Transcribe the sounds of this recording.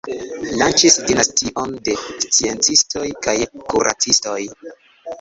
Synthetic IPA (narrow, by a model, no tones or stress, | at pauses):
lant͡ʃisdinastʰiʔo̞nde̞st͡sie̞nt͡sistʰo̞jkajkuɾʔa̰t͡sisto̞j